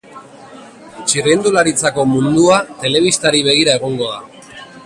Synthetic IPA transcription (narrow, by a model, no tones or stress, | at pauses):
t͡ʃirend̪ulaɾit͡sako̞mund̪uat̪e̞le̞β̞ist̪aɾiβe̞ɣ̞iɾae̞ɣo̞ŋɡo̞ða